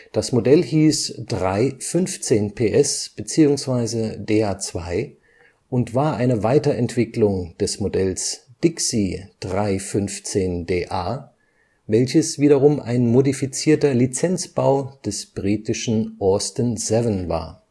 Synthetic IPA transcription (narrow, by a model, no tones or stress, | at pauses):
d̥asmodɛlhiːsd̥ʁaɪfʏnft͡seːnpʰeːʔɛsb̥ət͡siːʊŋsv̥aɪzədeːaːt͡sv̥aɪ | ʔʊntv̥aːɐʔaɪnəvaɪtɐʔɛntv̥ɪklʊŋd̥ɛsmodɛlsd̥ɪksid̥ʁaɪfʏnft͡seːndeːʔaː | vɛlçəsv̥iːɾɐʁʊmʔa̰ɪnmodifit͡siːɐtɐlit͡sɛnt͡sb̥aʊd̥ɛsb̥ʁiːtɪʃn̩ʔɔɐstənzɛvənva̰ːɐ